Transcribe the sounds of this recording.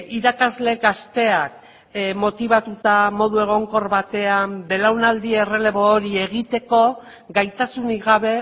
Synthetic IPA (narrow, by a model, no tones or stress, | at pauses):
iɾakazle̞ɣast̪e̞ak̚ | mo̞t̪iβat̪ut̪amo̞ð̞ue̞ɣ̞o̞ŋko̞ɾβat̪e̞ambe̞lawnald̪ie̞re̞le̞βoːɾie̞ɣit̪e̞ko̞ | ɣajt̪asuniɣaβ̞e̞